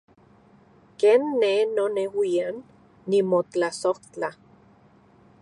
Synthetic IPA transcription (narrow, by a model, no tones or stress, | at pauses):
keːnːenonewianː | imot͡ɬasoht͡ɬa